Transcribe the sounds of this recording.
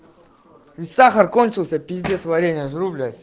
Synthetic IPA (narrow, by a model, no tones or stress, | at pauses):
vʲɪsaxərko̞nʲt͡ɕɪlˠsʲəpʲɪzʲd̪ʲesvɐɾʲenʲɪjəʐɾublʲə